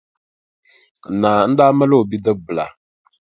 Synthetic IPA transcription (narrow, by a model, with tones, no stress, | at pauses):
naː˨n̩˦daː˦ma˦lo˦o˨bi˦də˦bɨ˨la̰˨